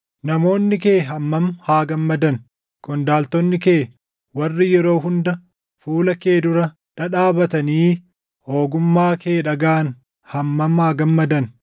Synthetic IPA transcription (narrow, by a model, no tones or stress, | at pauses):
nɐmo̞ːnːɪke̞ːɦɐmːɐmhaːɡɐmːɐd̪ɐn | kʼɔnd̪aːlt̪ɔnːɪke̞ː | wɐrːɪjɛɾo̞ːɦʊnd̪ɐ | fuːlɐke̞ːd̪ʊɾɐ | ᶑɐᶑaːbɐt̪ɐniː | o̞ːɡʊmːaːkʰe̞ːᶑɐɡaːn | hɐmːɐmhaːɡɐmːɐd̪ɐn